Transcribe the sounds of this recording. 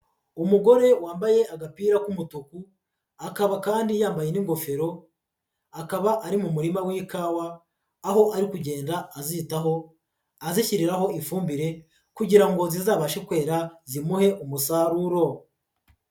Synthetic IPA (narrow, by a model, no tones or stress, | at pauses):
umuɡo̞ɾe̞waːmbaje̞ʔaɡapiːɾakumutuku | akaβakaːndijaːmbajeniŋɡo̞fe̞ɾo̞ | akaβaʔaɾimumuɾimawiːkaːwaː | ɦo̞ʔaɾikuɟe̞ːndaːzitaɦo̞ | aziçiɾiɾaɦo̞ʔifuːmbiɾe̞ | kuɟiɾaŋɡo̞zizaːβaʃekwe̞ːɾazimuhe̞ʔumusaɾuɾo̞